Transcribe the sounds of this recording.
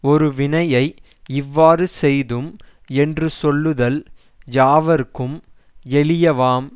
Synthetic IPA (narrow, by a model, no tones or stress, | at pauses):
ɔɾɯʋɪɳɐjɐɪ | ɪʋːaːɾɯsɛjðɯm | ɛndrɯsɔlːɯðɐl | jaːʋɐɾkːɯm | ɛɭɪjɐʋaːm